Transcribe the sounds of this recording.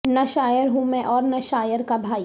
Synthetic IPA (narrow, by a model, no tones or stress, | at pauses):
nɐʃaːjəɾɦumẽʔɔːɾnɐʃaːjəɾkabʱaːi